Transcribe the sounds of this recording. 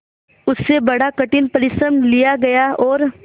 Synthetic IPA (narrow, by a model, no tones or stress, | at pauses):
ʊsːebɐɽ̤akɐʈɪnpɐɾɪsəmlijaɡɐjaɔːɾ